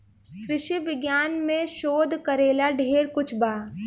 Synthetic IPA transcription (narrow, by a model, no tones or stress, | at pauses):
kɾɪʃiʋɪɡjaːnmẽʃoːd̪ʱkɐɾeːlaɖʱeːɽkʊt͡ʃʰbaː